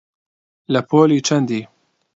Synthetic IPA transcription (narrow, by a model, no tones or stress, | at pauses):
lɐpʰoːliːt͡ʃʰɐnd̪iː